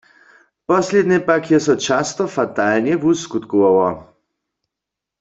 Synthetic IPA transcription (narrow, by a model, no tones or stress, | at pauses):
pɔsled̪nɛpakjɛsɔt͡ʃast̪ɔfat̪alnjɛvuskut̪kuʋawɔ